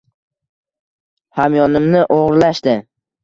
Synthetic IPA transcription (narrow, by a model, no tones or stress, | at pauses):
hamjɒnɪmnɪʔoʁɾlaʃt̪ɪ